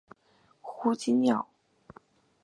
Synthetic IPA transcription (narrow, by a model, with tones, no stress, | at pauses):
xu˥t͡ɕi˥njɑ̰˥˨˩ʊ